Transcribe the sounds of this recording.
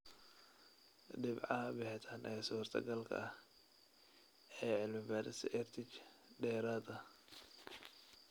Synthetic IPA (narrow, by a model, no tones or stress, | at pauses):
ɖɪbʕɑɐbɪħɪt̪ʰanʔɛːsuːrt̪ʰɐ̰ɡɐlkʰɐ̰ɐh | ɛːʕɪlmɪbaːɾɪsʔɛrt̪ʰɪt͡ʃ | ɖɛːɾaːdɐ